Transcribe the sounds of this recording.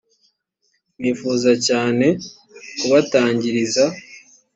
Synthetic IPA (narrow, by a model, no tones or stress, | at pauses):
niːfuːzacaːne̞ | kuβataːɲɟiɾiza